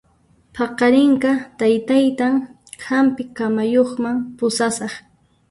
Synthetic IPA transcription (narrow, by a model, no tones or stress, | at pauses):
pʰɑqɑɾɪŋkat̪ajt̪ajt̪aŋ | hampɪkamajoχmaŋpʊsasɑχ